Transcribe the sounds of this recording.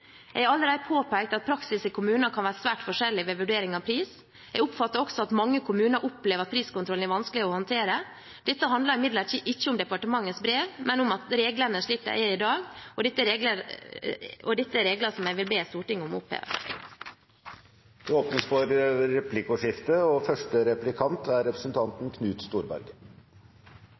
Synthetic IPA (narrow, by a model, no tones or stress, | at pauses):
jæɪæɾɑlːəɾæɪpʰoːpæɪk̚t̪ɑt̪̚pʰɾɑksɪsɪkʰʊmʉːnɑkʰɑnʋæːɾsʋæːʈfɔʂɛlːɪʋɛʋʉɖeːɾɪŋɑʋpʰɾiːs | jɛɡʊpfɑt̪ːəɾɔksɔɑt̪mɑŋːəkʰʊmʉːnəɾʔʊpleːʋəɾɑt̪̚pʰɾiːskʊnt̪ʰɾɔlnæɾʋɑnskəlɪɔhɔnt̪ʰeːɾə | d̪̥ɛt̪ːəɦɑnd̪lɑɾɪmɪd̪ləʈʰiːʔɪçːəʊmd̪ɛpɑʈəmɑŋːəsbɾeːʋmɛnʊmɑt̪ɾeːɡlənəʂɭiːt̪ːə̰ʔæ̰ɪd̪ɑːɡɔd̪ɛt̪ːəɾeːɡlə | ɔd̪ɛt̪ːəɾeːɡləsɔmjæɪʋɪlbeːst̪uːʈɪŋːʊm̰ʊphḛːʋə̰ | d̪̥ɛoːpnəsfɔɾɾɛpʰlɪkʊʂɪft̪əɔfœʂʈəɾɛplɪkʰɑnt̪ʰæɾɾɛpɾəsnt̪ʰɑnt̪n̩kʰnʉːt̪st̪uːɾbæ̰ɾɡə